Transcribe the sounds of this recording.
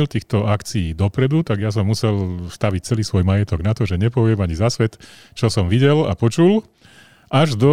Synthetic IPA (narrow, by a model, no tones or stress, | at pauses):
ilt̪iːxt̪ɔakt͡sijiːd̪ɔpɾɛd̪ut̪aɡjas̬ɔmːusɛlst̪aʋic̚t͡sɛliːsʋɔjmajɛt̪ɔɡnat̪ɔʒɛɲɛpɔʋɪɛmaɲizasʋɛt̪ | t͡ʃɔsɔmʋiɟɛla̰pɔt͡ʃul | ʔaʒd̪ɔ